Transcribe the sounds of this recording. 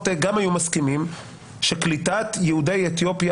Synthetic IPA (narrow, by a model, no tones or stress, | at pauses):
teɡamhajumaskimim | ʃeklitat̪jehude̞jet̪jo̞pja